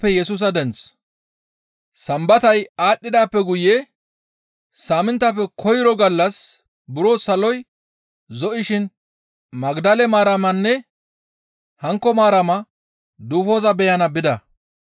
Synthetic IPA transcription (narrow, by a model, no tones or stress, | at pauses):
pːɛjɛsuːs̬ɐd̪ɛnt͡s | sɐmbɐt̪ɐjaːɗːɪd̪aːpːɛɡʊje | saːmɪnt̪ːɐpːɛkʰɔjɪɾɔɡɐlːɐs | bʊɾoːsɐlɔj | zɔʔɪʃɪn | mɐɡd̪ɐlɛmaːɾɐmɐnːɛ | hɐŋkːɔmaːɾɐmɐ | d̪uːfo̞ːzɐbɛjɐnɐbɪd̪ɐ